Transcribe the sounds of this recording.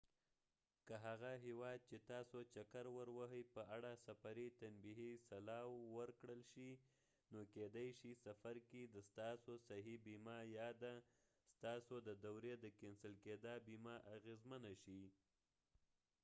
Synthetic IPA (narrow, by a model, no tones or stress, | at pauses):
kəɦaɣaɦewɑd̪̚t͡ʃet̪ɑsot͡ʃakaɾwəɾwaɦəjpəaɽasafaɾit̪anbiɦisalɑwːəɾkɽəlʃi | noked̪ajʃisafaɾked̪əst̪ɑsosaɦibimɑjɑd̪a | st̪ɑsod̪əd̪awɾed̪əkɪnsəlked̪ɑbimɑʔaɣezmənaʃi